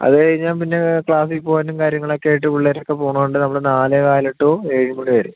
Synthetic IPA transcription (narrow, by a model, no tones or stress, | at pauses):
ɐ̰ðɨɐɻiɲːaːnpinːe̞kɭaːsipːoːɐnːumkaːɾjɐŋːɐɭokːeːjiʈ̬ːɨʋiɭːɐɾokːe̞poːɳɐuɳɖɨnɐmːɐɭɨnaːlekaːjleʈːoːeːɻimuɳiʋɐɾu